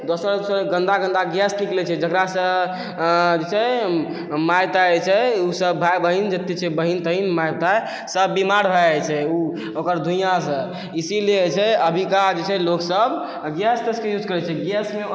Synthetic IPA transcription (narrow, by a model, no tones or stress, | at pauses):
d̪osəɾsəɡə̃nd̪aɡə̃nd̪aɡjasniklɛt͡ʃʰɛd͡ʒəkɾasə̃ | d͡ʒet͡ʃʰɛ | majt̪aɛt͡ʃʰɛusəbːʱabəɦind͡ʒet̪ːit͡ʃʰɛbəɦint̪əɦinmajt̪a | səbːimaɾbʱaɛt͡ʃʰɛu | okəɾd̪ʱujãsə̃ | isilet͡ʃʰɛəbʱikad͡ʒet͡ʃʰɛloksəb | ɡjast̪əskejud͡ʒʱkəɾɛt͡ʃʰɛɡjasme